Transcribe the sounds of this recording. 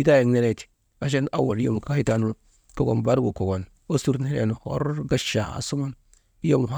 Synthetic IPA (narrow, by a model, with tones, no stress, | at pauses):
i˦ta˦je˨ŋne˦ɾe˦˨ti̥˨ | a˨ʃ̬e˦na˦wo˨ɾi˦jo̰˦˨m˨ka˦hi˦ta˦nu˦ɾ | ko˨ɡo̰˨nba˦ɾɡu˨ko˨ɡo˨n | o˦su˦ɾne˦ɾḛ˨nu˨ho̰˦ɾɡa˦ʃa̰˨a̰˨su˦mo˦n | i˦jo˦˨m˨a˦